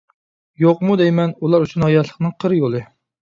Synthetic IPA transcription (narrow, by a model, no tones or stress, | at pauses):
joq̚mud̪ɛjmɛnulˠɑɾyt͡ʃʰunhɑjɑt̪ʰlˠə̥χnɨŋqʰəɾjolˠɨ